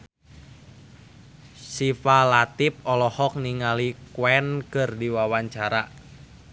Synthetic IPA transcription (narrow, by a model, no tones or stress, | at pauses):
sifalat̪ip̚ɔlɔhɔk̚niŋalikwɛnkɨrdiwawaɲt͡ʃaɾa